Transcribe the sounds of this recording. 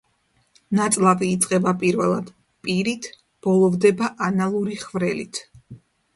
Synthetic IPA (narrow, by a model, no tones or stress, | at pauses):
nat̪sʼlˠaviːt̪sʼqʼɛbapʼiɾvɛlˠad̪̥ | pʼiɾit̪ʰ | b̥ɔlˠɔvd̪ɛbaʔanalˠuɾiχvɾɛlḭt̪ʰ